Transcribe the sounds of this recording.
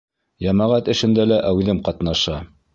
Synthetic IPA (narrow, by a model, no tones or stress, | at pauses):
jɑmæʁæt̪ɘ̆ʃɘ̆nd̪ælæʔæwðɘmqɑt̪nɑʃɑ